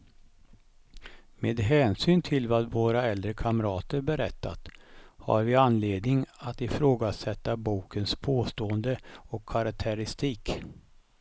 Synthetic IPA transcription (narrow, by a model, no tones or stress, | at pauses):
meːd̪ɦɛːnsyːnt̪ʰɪlvaːvoːɾaɛld̪ɾəkʰaməɾɑːt̪əɾbɛɾɛt̪ːa̰t̪ha̰ɾvɪanleːd̪nɪŋat̪ɪfɾoːɡasɛt̪ːabuːkənspʰoːst̪oːənd̪əɔkʰːaɾak̚t̪ʰəɾɪst̪iːk